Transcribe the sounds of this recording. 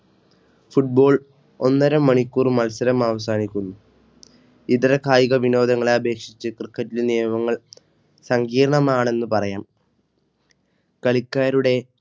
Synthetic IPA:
fuʈ̚bo̞ːɭ | onːɐɾɐmːɐɳikʲːuːrmɐlsɐɾɐmaːʋɐsaːnikʲːunːu | it̪ɐɾɐkʰaːjiɣɐʋino̞ːd̪ɐŋːɐɭeɐbʱe̞ːkʂit͡ɕːɨkrɨkːɐtːilnijɐmɐŋːɐɭ | sɐŋɡiːɾɐɳɐmaːɳe̞nːɨpɐrɐjaːm | kɐɭikʲːaːɾuɽe̞

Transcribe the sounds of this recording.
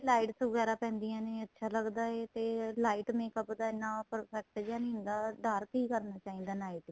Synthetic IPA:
laːiʈsʋəɡɛːɾaːpɛ̃ːnd̪ijãːneːətːʃʰaːləɡd̪aːeːt̪eːlaːiːʈmeːkəpd̪aːɪnãːpəɾpɛːk̚ʈd͡ʒaːñːnd̪aːɖaːɾkiːkəɾnaːt͡ʃaːĩːnd̪aːnaːiːʈ

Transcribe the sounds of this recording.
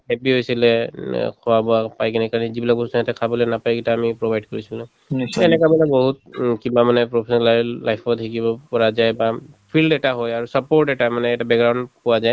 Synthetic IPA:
ɦɛpiɦojsilɛkʰɔwabɔapajkɛnɛkaɹnizibilakɔsɔɦɛtɛkʰabɔlɛnapajkitaːmipɹobajɖkɔɹisilũ | ɛnɛkamanɛbɔɦut̚kibamanɛpɹopʰesɔnalalajpʰɔtʰikibɔpɔɹazajbapʰilɖɛʈaɦɔjaɹusəpoɹʈɛʈamanɛːtabɛkɡɹawndkɔwazaj

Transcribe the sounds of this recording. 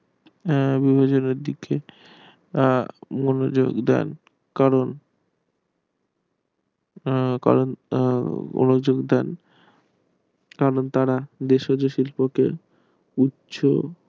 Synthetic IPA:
bibʱad͡ʑoneɾd̪ike | monod͡ʑo̰ɡd̪ɛ̰n | kaɾon | ka̰ɾon | mo̰nod͡ʑoɡd̪ɛn | kaɾont̪aɾad̪eʃod͡ʑoʃilpoke | utːɕʰo̰

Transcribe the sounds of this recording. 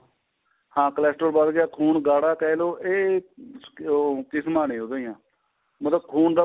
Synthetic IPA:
hãːkəlɛːsʈoːɾbaːd̪ɡɪjaːkʰuːnɡaːɽaːkɛːloːʔeː | kɪsmaːnĩːɦoːd̪ejãː | mət̪ləbkʰuːnd̪aː

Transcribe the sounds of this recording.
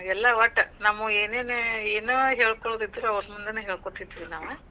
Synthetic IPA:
ɛlːɐʋɐʈːɐnamueːneːneeːnuɦeːɭkoɭoːd̪id̪ːɾuɐʋɾmund̪ɐnɦeːɭkot̪it̪ːiʋinaːʋe

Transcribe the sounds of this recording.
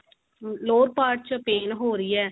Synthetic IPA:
loːɾpaːɾʈ̚t͡ʃpeːnɦoːɾiːɛː

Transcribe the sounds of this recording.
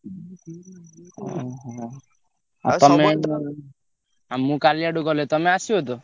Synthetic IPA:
ɦɔ̰ɦɦ | a̰ɔme | amũkaliaɖuɡɔlet̪ɔmeasiɦod̪o

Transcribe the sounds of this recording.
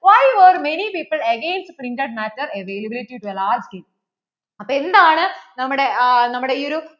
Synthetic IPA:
ʋajʋoɾmenipiːpɨlɐɡeːnsʈpɾĩntɐɖ̚mætːɐɾɐʋeːlɐbiliʈːiʈuelaːɾd͡ʑɡeːm | ɐpːoːend̪aːɳɨnɐmːuɽenɐmːuɽeioɾu

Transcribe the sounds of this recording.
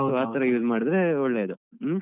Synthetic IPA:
aːt̪ɐɾɐjuːzmaːɽid̪ɾeɔɭːeːd̪u

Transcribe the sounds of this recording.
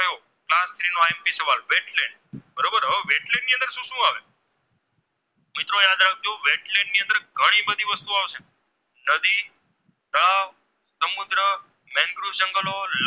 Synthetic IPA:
jo | klast̪ʰɾinoempisəʋalʋeʈlẽɳɖbəɾobəɾɦəʋeʈlẽɳɖːiːə̃nd̪əɾʃũːʃũaʋe | mɪt̪ɾojad̪ɾak̚t̪ʰioʋeʈlẽɳɖniə̃nd̪əɾɡʱəɽ̃ĩbəd̪ʱiʋəst̪uaʋʃe | nəd̪i | d̪aʋ | səmud̪ɾə | mɛ̃ŋɡɾuʃəŋɡəlol

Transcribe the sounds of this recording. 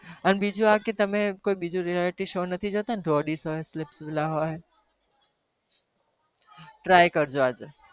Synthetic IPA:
ənɓid͡ʒũaket̪ɐmẽkoːiɓid͡ʒũɾialɪʈiʃoːnət̪ʰid͡ʒot̪anɖoːɖisɦoːslɪpsʋɪlaɦoe | ʈɾaːjkəɾd͡ʒoaːd͡ʒ

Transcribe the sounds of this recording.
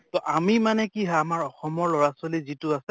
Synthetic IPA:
tɔʔamimanɛkiɦaamaɹɔxɔmɔɹlɔɹasolizituasɛ

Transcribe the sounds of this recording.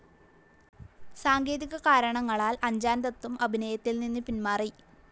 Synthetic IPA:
saːŋɡe̞ːðiɣɐkaːɾɐɳɐŋːɐɭaːlɐɲd͡ʑaːnd̪ɐt̪ːumɐbʱinɐjɐt̪ːilninːɨpinmaːri

